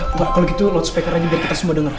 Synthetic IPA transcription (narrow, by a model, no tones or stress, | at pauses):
t̪okalokit̪ulowt̪su̥pekərad͡ʒabiarkit̪asəmuadəŋər